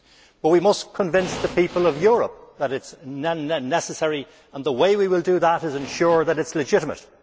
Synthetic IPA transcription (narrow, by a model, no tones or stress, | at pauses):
b̥ʌt̚wimʌskʰə̃ɱvɪ̃nsðəpʰipəlˠʌvjʊɹə̰p̚ðəɾɪtsnnɛsəsɛɹi | ə̃nðəweɪwiwɪlˠdəðəɾɨzɨ̃nʃʊɹðəɾɨtslɨd͡ʒɪɾəmə̰t